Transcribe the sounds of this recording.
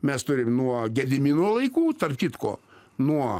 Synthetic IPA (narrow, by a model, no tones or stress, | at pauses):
mʲɛst̪ʊɾʲɪmnuɔɡʲɛd̪ʲɪmʲɪnoːlˠɐɪkuːt̪ɐrpkʲɪt̪ko̰ː | nuɔ